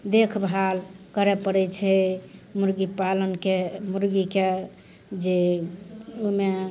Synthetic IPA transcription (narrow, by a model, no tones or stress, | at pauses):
d̪ekʰbʱalkəɾɛpəɽɛt͡ʃʰɛmuɾɡipalənkemuɾɡike | d͡ʒe | ume